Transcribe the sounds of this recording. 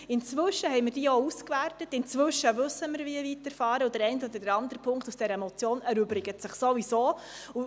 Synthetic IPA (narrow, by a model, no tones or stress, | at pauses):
ɪnt͡svʏʃəhɛɪməɾd̥iːəouskværtətɪnt͡sʋʏʃːəvɵsːəməɾviəvitəɾfɑːɾəud̥̪əɾɛɪntɔd̪əd̥əɾɑnd̪əɾpʰʊŋktusd̥ɛɾəmɔt͡sjoːnæɾʏbɾɪɡ̥ətsɪχsovisoː | u